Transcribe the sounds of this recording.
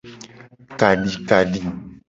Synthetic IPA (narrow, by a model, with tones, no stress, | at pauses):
ka˨ɖi˨ka˨ɖi˨